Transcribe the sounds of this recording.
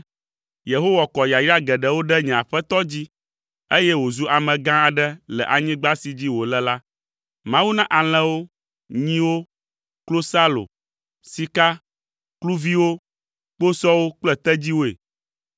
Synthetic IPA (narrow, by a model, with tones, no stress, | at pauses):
je˨ɦo˦wa˨kɔ˨ja˨ji˦a˦ɡɛ˨ɖɛ˨wo˦ɖɛ˦ɲɛ̃˨a˨ɸɛ˦t̪ɔ˦d͡ʑi˦ | e˦jɛ˦wo˨zu˦ʔa˨mɛ̃˨ɡã˦a˨ɖɛ˦lɛ̰˨ʔa˨ɲĩ˦ɡ͡ba˦si˨d͡ʑi˦wo˨lɛ˦la˦ | mã˦wu˦nã˦ʔa˨l̃ɛ̃˦wo˦ | ɲĩ˦wo˦ | klo˦sa˦lo̰˨ | si˦ka˦ | klu˦vi˦wo˦ | k͡po˦sɔ˦wo˦k͡plɛ˨t̪ɛ˦d͡ʑi˦wo˦ḛ˨